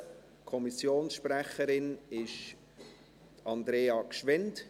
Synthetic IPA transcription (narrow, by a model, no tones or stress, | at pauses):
kʰɔmisjoːnsʃprɛχəɾɪnɪʃ | tɑnd̪ɾeːɑkʃʋɛnt